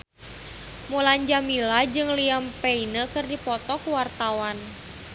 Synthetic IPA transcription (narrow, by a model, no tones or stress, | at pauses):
muland͡ʒamilad͡ʒɨŋliampɛinəkɨrdipɔt̪ɔkuwart̪awan